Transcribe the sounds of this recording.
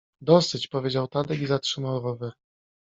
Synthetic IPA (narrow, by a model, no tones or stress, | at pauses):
d̪ɔsɘt͡ɕpɔvʲed͡ʑawt̪ad̪ɛɡʲizatʂɘmawɾɔvɘ